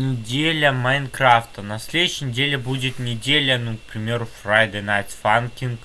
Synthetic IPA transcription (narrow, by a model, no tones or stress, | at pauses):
nʲɪdʲelʲəmɐjnkɾaft̪ənɐsʲlʲed̪ʊɕːɪjnʲɪdʲelʲɪbudʲɪt̪nʲɪdʲelʲənuk̚pɾʲɪmʲeɾʊfɾajd̪ənajt̪fankʲink